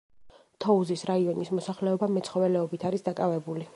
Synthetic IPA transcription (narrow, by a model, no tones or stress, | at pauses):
t̪ʰɔuzisɾaiɔnismɔsaχlɛɔbamɛt̪sʰχɔvɛlɛɔbit̪ʰaɾisd̪akʼavɛbuli